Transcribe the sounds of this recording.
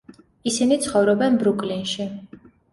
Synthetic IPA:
isinit̪sʰχɔvɾɔbɛnbɾukʼlinʃi

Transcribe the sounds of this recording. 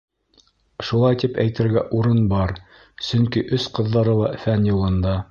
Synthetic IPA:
ʃulˠɑjt̪ipæ̰jt̪ɘ̆ɾɡæʔuɾɤnbɑɾ | sɵŋkiʔɵsqɤ̆ðːɑɾɤlˠɑʔfænjŭlˠɤ̆nd̪ɑ

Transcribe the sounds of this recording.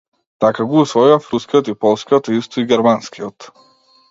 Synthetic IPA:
t̪akaɡuːsvɔivafɾuskijɔt̪ipɔlˠskijɔt̪ist̪ɔiɡʲɛɾmanskʰiɔt̪

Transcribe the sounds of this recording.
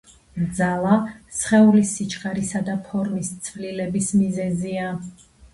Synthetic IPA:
d̪zalˠasχɛulisit͡ʃʰχʼaɾisad̪apʰɔɾmist̪sʰvlilɛbismizɛzia

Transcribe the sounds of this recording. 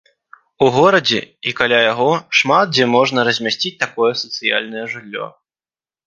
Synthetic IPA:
uɣɔɾɐd͡zʲɛ̰ikalʲajaɣɔʂmat̪̚d͡zʲɛmɔʐnɐɾɐzʲmʲasʲt͡sʲit͡sʲt̪akɔjɛsɐ̥t̪sɨja̰lʲnɐjɛʐɨlʲːɔ̰

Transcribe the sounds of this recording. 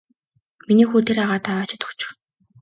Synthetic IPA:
miniːxuːt̪ʰeɾaʁaːt̪ʰawaːt͡ɕɪ̥̆t̪ʊ̥kt͡ɕɪ̥̆x

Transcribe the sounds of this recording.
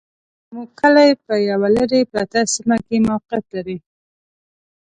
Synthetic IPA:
muɡkːəlajpəjawaləɾepɾat̪asimakemawqɪjat̪laɾi

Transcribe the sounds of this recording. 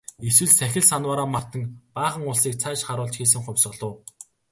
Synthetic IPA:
eswɘ̆ɮsæxʲɪ̆ɮsanwaːɾaːmar̥t̪ə̆ŋpaːχə̆ŋʊɮsiːk̚t͡sʰæːʃχaɾʊːɮt͡ɕxiːs̬ɘ̆ŋχʊ̟mʲsə̆ɮʊ̆ː

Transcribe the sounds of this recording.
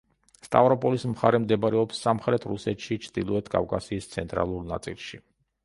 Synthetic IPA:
st̪ʼavɾɔpʼɔlismχaɾɛmd̪ɛbaɾɛɔpsːamχɾɛt̪ʰɾusɛt̪ʃit͡ʃʰd̪̥ilˠɔɛt̪ʰkʼa̰vkʼa̰siːst̪sʰɛnt̪ʼɾa̰lˠuɾna̰t̪sʼḭlˠʃi

